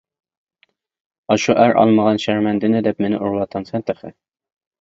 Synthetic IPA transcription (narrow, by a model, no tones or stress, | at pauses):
ɑʃuʔæɾʔɑ̰lˠməʁɑnʃæɾmɛnd̪ɪnɪd̪ɛpmenɪʔuɾlˠɑt̪ɑnsɛnt̪əχɪ